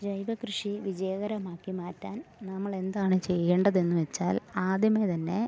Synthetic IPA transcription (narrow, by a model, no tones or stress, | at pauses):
d͡ʑɐjʋɐkɾɨʂiʋid͡ʑejɐɣɐɾɐmaːkːimaːtːaːnnɐmːɐɭe̞nd̪aːɳɨt͡ɕe̞jːeːɳɖɐðe̞nːuʋet͡ɕːa̰ːlaːd̪jɐmet̪ɐnːe̞